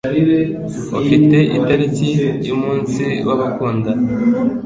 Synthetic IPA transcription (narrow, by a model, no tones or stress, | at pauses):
ofite̞ʔḭtaɾikijumuːnsiwaβakuːnda